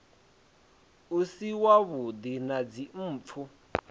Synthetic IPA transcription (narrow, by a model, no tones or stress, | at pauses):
usiwaβud̪inad͡zim̩ːp̪fʰu